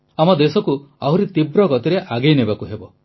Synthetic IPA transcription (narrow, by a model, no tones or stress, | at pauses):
amɔd̪esɔkuawɾit̪ibɾɔkɔt̪iɾeʔaɡejnebakuɦebɔ